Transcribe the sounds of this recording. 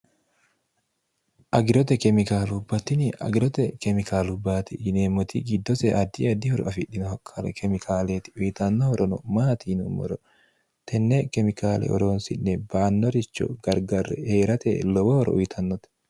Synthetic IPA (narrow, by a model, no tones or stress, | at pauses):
ʔɐɡɪɾɔt̪ɛkɛmɪkaːlubːɐt̪ːɪnɪɐ̰ɡɪɾɔt̪ɛkɛmɪkʰaːlʊbaːt̪ɪ̰neːmɔt̪ɪɡɪd̪ːɔsɛʔɐd̪ːɪɐd̪ɪhɔɾɔ̰ɐfɪɗɪnɔhɔkʰːɐlɛ̰kʰɛmɪkʰaːleːt̪ɪ̥ʊjɪt̪ɐnːɔhɔɾɔnɔmaːt̪iːnʊmɔ̰ɾɔ | t̪ʰɛnːɛkɛmɪkaːlɛ̰ʔɔ̰ɾoːnsɪnːɛbaːnːɔɾɪt͡ʃːɔ̰ɡɐɾɡɐɾːɛ̰heːɾɐt̪ɛ̰lɔbɔhɔɾɔ̰ʔʊjɪt̪ʰɐnːɔt̪ɛ̥